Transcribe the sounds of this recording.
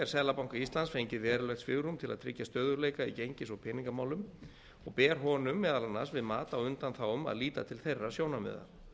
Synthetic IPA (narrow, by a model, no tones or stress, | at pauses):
ɛɾsɛðlapawŋkaist̪lansfejɲcɪvɛːɾʏlɛxt̪sfɪɣɾumt̪ʰɪla̰ðt̪ʰɾɪ̰cːast̪œːðʏɾlejkaicejɲcɪsɔɣpʰɪːniŋkamaːwlʏm | ɔɣpɛːɾ̥ɦɔːnʏmːɛːðalanːa̰svɪðmaːt̪awʏnt̪anθawʏma̰ðliːt̪a̰t̪ʰɪlθejrːasjoːwnamɛ̰ːða̰